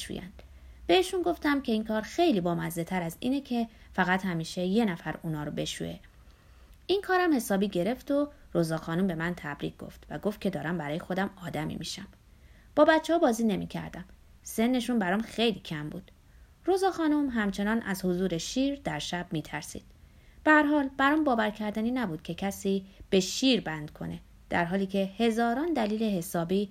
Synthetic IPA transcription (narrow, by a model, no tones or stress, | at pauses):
ʃṵjæ̰nd̪̥ | b̥e̞eʃunɡo̞ft̪æmcʲʰe̞iːŋkʰɒːɾxe̞jliːbɒːmæzet̪ʰæɾæzḭːnecʰefæɣæt̪hæmiːʃe̞je̞næfæɾuːnɒːɾobe̞ʃṵe̞̰ | ʔiŋkʰɒːɾæmhe̞sɒːbiːɟe̞ɾe̞ft̪o | ɾozɒːxɒːnumbe̞mænt̪ʰæbɾḭːɡ̚ɡ̥o̞̰ft̪væɡo̞ft̪̚kcʰe̞d̪ɒːɾæmbæɾɒːjexo̞d̪æmɒːd̪æmḭmḭʃæm | b̥ɒːbæt̪t͡ʃʰːehɒːbɒːziːne̞mḭːcʰæ̰ɾd̪æm | se̞nːe̞ʃunbæɾɒːmxe̞jliːcʰæmbṵːd̪̥ | ɾozɒːxɒːnomɦæmt͡ʃʰe̞nɒːnʔæzhozuːɾeʃiːɾd̪æɾʃæb̥̚miːt̪ʰæɾsḭːd̪̥̚ | b̥ehæɾɦɒːlb̥æɾɒːmbɒːvæɾcʰæɾd̪æniːnæbuːd̪̥̚cʰe̞cʰæsiːb̥e̞ʃiːɾbænd̪̥kʰo̞̰ne̞ | d̪̥æɾɦɒːliːcʰe̞he̞zɒːɾɒːnd̪æliːle̞he̞sɒːbiː